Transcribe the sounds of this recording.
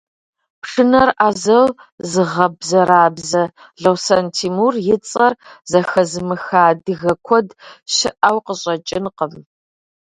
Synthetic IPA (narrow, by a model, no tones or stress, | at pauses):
pʂɨnɐrʔaːzɐlzɨʁɐbzɐɾaːbzɐ | ɮɐwsɐntʰimurjɪt͡sʼɐrzɐxɐzɨmɨxaːdɨɣɐkʷʰɔdɕɪʔawqəɕʼɐt͡ʃʼɪnqəm